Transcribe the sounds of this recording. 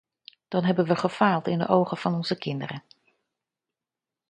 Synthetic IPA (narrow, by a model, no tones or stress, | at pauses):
d̥ɑnɦɛbənʋəχəfaːlˠtɪndə̰ʔowχəv̥ɑnɔnzəkɪndərə